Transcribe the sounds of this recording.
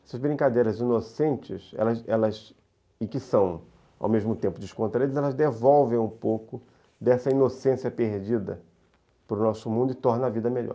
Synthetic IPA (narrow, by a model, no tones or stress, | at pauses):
ɛsɐzbɾĩŋkad̪ejɾɐzinosẽnt͡ʃɪsɛ̰lɐzɛ̰lɐz | ɪkɪsɐ̃w̃ | a̰wmeʒmʊt̪ẽmpʊd͡ʒɪʃkõnt̪ɾaɾid̪zɛlɐzd̪evɔwvẽj̃ũpowkʊ | d̪ɛsɐinosẽsiɐpeɾd͡ʒid̪ɐ̰ | pɾʊnɔsʊmũnd̪ʊɪt̪ɔɾnɐɐvid̪ɐmeʎɔ̰ɾ